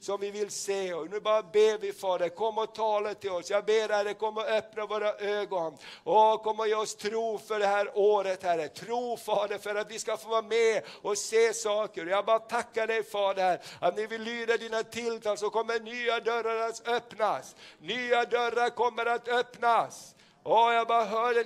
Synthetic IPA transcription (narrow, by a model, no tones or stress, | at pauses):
sɔmvɪvɪlseːɔnʉːbɑːɾabeːvɪfɑːd̪əkʰɔmːɔt̪ʰɑːlat̪ɪlɔsjɑːɡbeːɾhæɾɛkʰɔmːəɾɔœpnavoːɾaʔøːɡɔnɔkʰɔmːəɾɔjeːɔst̪ʰɾuːfœɖɛhæːɾoːɾət̪hæɾət̪ʰɾuːfɑːd̪əɾfœɾat̪vɪskafoːvɑːmeɔseːsɑːkəɾɔjɑːɡ̚bɑɾat̪ʰakːaɖɛjfɑːd̪əhæɾat̪nɛvɪlːyːd̪ad̪iːnat̪ʰɪlt̪ʰɑːls̬ɔkɔmːənyːad̪œɾaɾat̪œpnasnyːad̪œɾːaɾkɔmːəɾat̪œpnas | ɔjɑːɡbɑːɦœːɖɛ